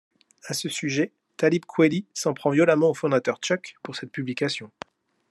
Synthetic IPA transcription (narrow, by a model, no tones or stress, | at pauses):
asəsyʒɛ | t̪alip̚kʰwelisɑ̃pχɑ̃vjɔlamɑ̃ofɔ̃d̪at̪œʁt͡ʃɔkpuʁsɛt̪̚pyblikʲasjɔ̃